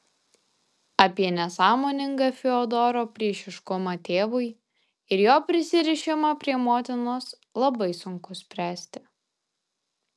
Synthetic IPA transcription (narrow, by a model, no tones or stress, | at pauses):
ɐpʲiɛnʲɛsɑːmoːnʲɪŋɡɐːfʲɪɔd̪ɔɾoːpʲɾʲiɛʃʲɪʃkʊmɑːt̪ʲeːʋʊɪ | ɪɾjoːpʲɾʲɪsʲɪɾʲɪʃʲɪmɑːpʲɾʲiɛmoːt̪ʲɪnoːs | lˠɐbɐɪsʊŋkʊsʲpʲɾʲæːsʲt̪ʲɪ